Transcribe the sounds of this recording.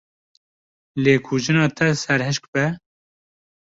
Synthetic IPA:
leːkʰuʒɨnɑːt̪ʰɛsɛɾɦɨʃk̚bɛ

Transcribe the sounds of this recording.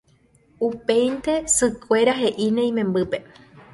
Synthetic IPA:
upe̞jnt̪e̞sɨkʷe̞ɾaɦe̞ʔinẽj̃mẽ̞mbɨpe̞

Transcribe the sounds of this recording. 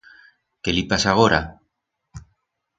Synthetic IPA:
kelipasaɣ̞oɾa

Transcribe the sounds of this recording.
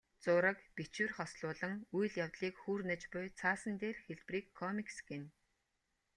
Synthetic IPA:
t͡sʊːɾə̆kpit͡ɕwɘ̆rχɔsɮʊːɮə̆ŋujɮjawt̪ɮiːkxuːrnə̆t͡ɕpʊjt͡sʰaːsə̆nt̪eːrxeɮpriːkʰːɔmiksɡen

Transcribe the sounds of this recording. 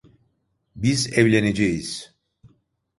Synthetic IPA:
bizɛvlʲened͡ʒɛjiz̥

